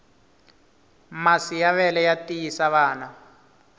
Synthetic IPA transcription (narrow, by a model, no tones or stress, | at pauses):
masijaβɛlɛjatijisaβaːna